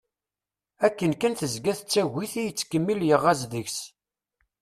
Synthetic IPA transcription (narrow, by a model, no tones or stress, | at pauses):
ækːənkənθəzɡæθt͡sːæɣiθijət͡sːkəmːiljəʁːæzðəçs